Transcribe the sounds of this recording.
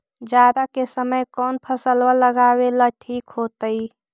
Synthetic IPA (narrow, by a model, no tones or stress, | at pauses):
d͡ʒjaːd̪akesəməjkɔːnpʰəsəlwələɡaːwelaʈʰiːkɦoːt̪əi